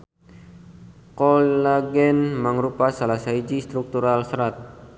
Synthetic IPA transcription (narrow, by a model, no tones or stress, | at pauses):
kɔlaɡɛnməŋɾupasalasaid͡ʒist̪ɾuk̚t̪uɾalsəɾat̪̚